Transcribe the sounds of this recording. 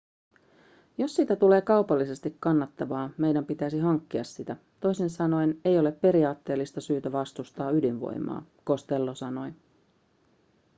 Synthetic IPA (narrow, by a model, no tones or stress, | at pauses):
jo̞sːit̪æt̪ule̞ːkɑupɑlːise̞st̪ikkɑnːɑt̪ːɑʋɑːme̞jdæmpit̪æsiɦɑŋkːiɑsːit̪æ | t̪o̞jsinsɑno̞jne̞jo̞le̞pːe̞ɾiɑːt̪ːe̞ːlːist̪ɑsyːt̪æʋɑst̪ust̪ɑːydinʋo̰jmɑ̰ː | ko̞st̪e̞lːosɑno̞j